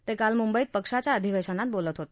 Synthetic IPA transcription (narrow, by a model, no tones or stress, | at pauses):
t̪ekalmumbəit̪̚pəkʂat͡ɕaəd̪ʱiʋeʃanat̪̚bolət̪ɦot̪